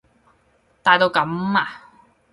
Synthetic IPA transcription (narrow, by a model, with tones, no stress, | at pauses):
t̪aː˨˧jt̪o˧wkɐ˨˥maː˨